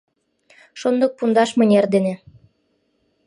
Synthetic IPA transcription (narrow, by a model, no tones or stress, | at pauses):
ʃond̪ɤ̆k̚pund̪ɑʃmɤ̆nʲerd̪enĕ